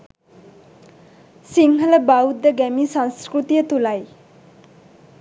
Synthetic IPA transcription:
siŋɦalabaut̪̚d̪aɡɛmisaŋskɾut̪ijət̪ulaj

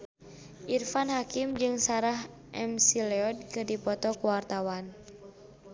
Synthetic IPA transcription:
ʔirfanɦakimd͡ʒɨŋsaɾaɦ | ʔɛmsilɛɔd̚kɨrdipɔt̪ɔkuwart̪awan

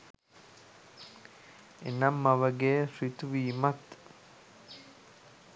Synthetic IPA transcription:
ḛnːɐmːɐʋɐɡeːrit̪uʋiːmɐt̪

